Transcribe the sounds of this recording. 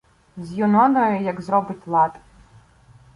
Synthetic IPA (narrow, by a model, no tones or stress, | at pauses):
zjunɔd̪ɔjɔjaɡzɾɔbɨt̪ʲlˠat̪